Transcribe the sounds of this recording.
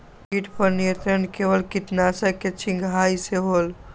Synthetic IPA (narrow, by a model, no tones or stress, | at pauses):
kiʈʰpəɾnijə̃nt̪ɾənkebəlkit̪nasəket͡ʃʰiŋɡʱɦaiseɦol